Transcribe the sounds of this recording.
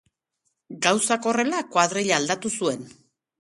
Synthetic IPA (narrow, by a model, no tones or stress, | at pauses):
ɡawsako̞re̞lakwað̞ɾeʎaːld̪at̪usue̞n